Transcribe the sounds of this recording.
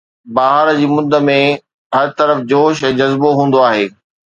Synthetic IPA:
baːɦəɾd͡ʑiːmʊd̪ʱːə̆mẽ | ɦɐɾt̪ɐɾəfd͡ʑoːʃɛ̃ːd͡ʑɐzboɦũːn̆d̪oaːɦeː

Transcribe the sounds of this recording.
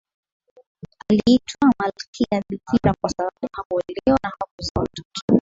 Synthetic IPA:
aliitʰwamalkʰijaðikʰiɾakwasaɓaɓuhakuɛlɛwanahakuzɔtɔ̥ɔ̥

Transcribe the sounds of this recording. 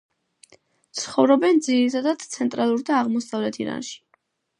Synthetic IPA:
t̪sʰχɔvɾɔbɛnd̪ziɾit̪ʰad̪at̪t̪sʰɛnt̪ʼɾalˠuɾd̪aːʁmɔsavlɛt̪ʰḭɾa̰nʃi̥

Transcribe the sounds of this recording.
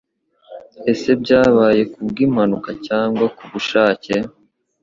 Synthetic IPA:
e̞se̞bɟaːβaːje̞kubɡiːm̥hanukacaːŋɡwakuβuʃaːce

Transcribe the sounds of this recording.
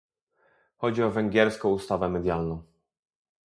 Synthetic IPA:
xɔd͡ʑiɔvɛŋɡʲjɛɾskɔ̃w̃ust̪avɛmɛd̪ʲjalnɔ̃w̃

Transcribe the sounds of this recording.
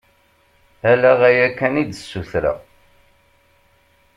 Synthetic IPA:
ælæʁæjækːænid̪əsːuθɾə̰

